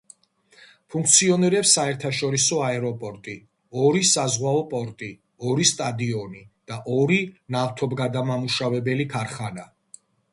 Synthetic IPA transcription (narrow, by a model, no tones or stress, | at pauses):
pʰuŋk̚ʰt̪sʰiɔniɾɛpsːaɛɾt̪ʰaʃɔɾisɔaɛɾɔpʼɔɾt̪ʼi | ɔɾisazʁwaɔpʼɔɾt̪ʼi | ɔɾist̪ʼad̪iɔnid̪̥aʔɔɾinaft̪ʰɔbɡad̪amamuʃavɛbɛlikʰaɾχana